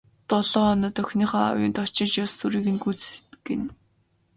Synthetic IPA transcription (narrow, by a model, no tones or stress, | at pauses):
t̪ɔɮɔːɔnə̆t̪œxʲniːχɔːa̰wjʊ̰ːnt̪ɔt͡ɕɪ̆t͡ɕjɔstuɾiːɣɘ̆nɡut͡st̪ɡḛn